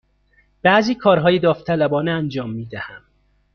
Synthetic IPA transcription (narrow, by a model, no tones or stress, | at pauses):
b̥æʔziːkʰɒːɾɦɒːjed̪ɒːft̪ʰælæbɒːneænd͡ʒɒːmːiːd̪æhæm